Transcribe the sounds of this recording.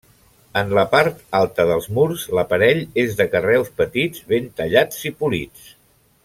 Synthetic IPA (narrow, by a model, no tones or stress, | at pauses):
ənləpaɾt̪alˠt̪əðəlˠzmuɾzləpəɾɛʎezðəkərɛwspət̪id͡zβent̪əʎad͡zipulḭt͡s